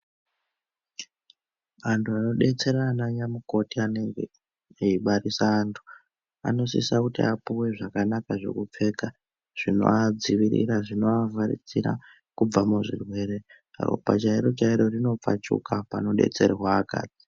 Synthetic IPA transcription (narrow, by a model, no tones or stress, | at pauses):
antʰuano̞ɗe̞t͡se̞ɾanaɲamuko̞tiane̞ŋɡe | iɓarisaːntʰu̥ | a̰no̞sḭsakutiapuwe̞ʐakanakaʐe̞̰kup͡fe̞ːka | ʐ̥ino̞̰ad͡ziʋiɾḭɾaʐino̞avaɾḭd͡ziɾa̰ | kub͡vamuʐirwe̞ːɾe̞ | ro̰pat͡ʃaiɾo̞t͡ʃaiɾo̞rino̞p͡fa̰t͡ʃṵkapa̰no̞ɗe̞̰t͡se̞ɾiwaːka̰ːd͡zi̥